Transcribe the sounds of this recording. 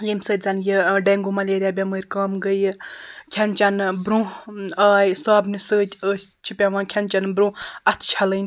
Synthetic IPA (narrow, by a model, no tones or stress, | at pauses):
jemsəːt̪̚ʲzɐnjiɖeŋɡomɐlʲeːɾʲjaːbʲamɨɾʲkaːmɡəjkʲʰɐnt͡ʃɐnbɾũaːjsaːbnɨsəːt̪ʲəːsʲt͡ʃʰipʲaʋãːkʲʰɐnt͡ʃɐnbɾũːɐt̪ʰt͡ʃʰɐlɨn